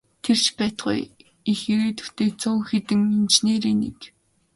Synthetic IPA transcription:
t̪ʰer̥t͡ɕpæːt̪ɢṵj | ixeɾeːt̪u̥t̪eːk̚t͡sʊːwxet̪ɘ̆ŋint͡ɕneːɾeːnḛk

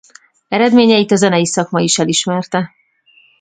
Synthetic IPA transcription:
ɛɾɛd̪meːɲɛjit̪ɒzɛnɛjisɒkmɒiʃɛliʃmɛrt̪ɛ

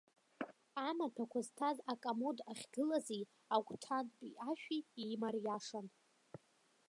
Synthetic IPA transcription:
amatʰakʷʰaztʰazakʼamodaχʲɡɨlazi | akʷʼtʰanpʼiʔaʃᶣiimarjaʂan

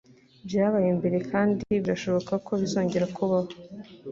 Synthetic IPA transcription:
bjaːβajembe̞ɾe̞kʰaːndiβiɾaʃo̞βo̞kako̞βizo̞ːɲɟe̞ɾakuβaho

